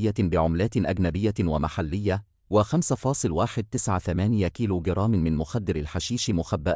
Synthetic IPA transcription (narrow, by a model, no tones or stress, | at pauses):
jːabɪʕʊmlaːt̪ʔaɡnabɪjːawamaħalːɪjːa | wɪxamsafɑːsˤɨlwaːħɪd̪̚t̪ɪsʕaθamaːnɪjakiːluːɡɪɾˤɑːmmɪnmʊxad̪ːɪɾalħaʃiːʃmʊxabːaʔ